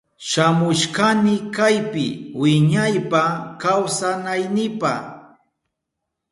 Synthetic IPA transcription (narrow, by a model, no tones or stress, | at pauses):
ʃamʊʃkanɪkajpɪ̰wɪɲajpakawsanajnɪpa